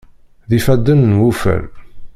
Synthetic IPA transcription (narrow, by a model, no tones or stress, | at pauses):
ðifæd̪ːənnwufə̰l